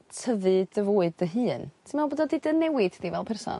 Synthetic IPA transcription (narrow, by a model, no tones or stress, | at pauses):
tʰəvɨdəvoːɨdəɦɨːntʰɪmalˠboːdɔdɪdənɛwɪd̥divɛlˠpʰɛrsɔ̰n